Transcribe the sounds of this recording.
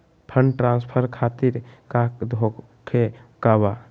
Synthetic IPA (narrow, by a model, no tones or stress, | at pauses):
pʰəɳɖʈɾãːspʰəɾkʰat̪iɾkad̪ʱo | kʰekaba